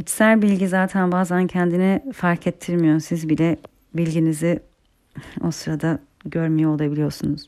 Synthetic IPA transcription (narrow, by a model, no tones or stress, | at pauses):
ɟit͡ʃsælʲbilʲɟizaːt̪ʰænbaːzancʰɛnd̪inifaɾcʰɛt̪ʰːiɾmijoɾumsizbilʲɛ | bilʲɟinizi | o̞sɯɾad̪a | ɟø̞ɾmijɛolˠabilʲijo̞ɾsunuz̥